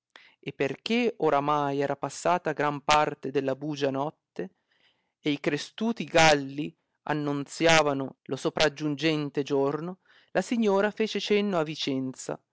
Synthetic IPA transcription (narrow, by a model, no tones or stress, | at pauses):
epːerk̟eoɾamajɛːɾapasːaːt̪aɡɾampart̪ed̪elːabuːd͡ʒanɔt̪ːe | ejkɾest̪uːt̪iɡalːi | a̰nːunt̪sjaːvanolosopɾʔad͡ʒːund͡ʒɛnt̪ed͡ʒorno | lasiɲːoːɾafeːt͡ʃet͡ʃenːoavːit͡ʃɛnt̪sa̰